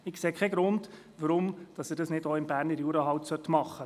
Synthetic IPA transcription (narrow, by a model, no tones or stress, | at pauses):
ɪkseːkʰχɛɡ̥ɾʊnd | ʋəɾʊmd̥ɑsəɾdɑsnɪdoːɪmbæːɾnəɾjuːɾəɦɑwtsœtmɑχːə